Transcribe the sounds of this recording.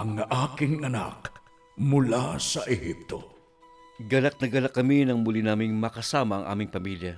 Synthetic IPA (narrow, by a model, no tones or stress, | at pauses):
ʔɐŋʔaːkɪŋɐna̰k | mʊlasɐʔɛhip̚t̪o̰ | ɡɐlɐk̚nɐɡɐlɐkːɐminɐŋmʊlinaːmɪŋmɐkɐsaːmɐɐ̰ŋʔa̰ːmɪŋpɐmiljɐ